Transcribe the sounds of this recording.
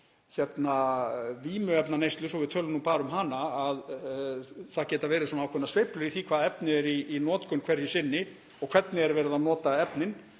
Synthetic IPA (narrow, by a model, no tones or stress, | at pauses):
çɛt̪naviːmʏɛpnaneːjst̪lʏsɔɣvɪðt̪ʰœːlnːupaːɾʏmɦanːaːð | θaðcɛːt̪avɛːɾɪsɔːnawkʰɔnasvejplʏɾiθikʰvaːðaɛpnɪɛɾiːnɔːt̪kʏnkʰv̥ɛɾjɪsɪnːɪ | ɔɣkʰv̥ɛt̪nɪɛɾvɛːɾɪðanɔːt̪aɛpnɪn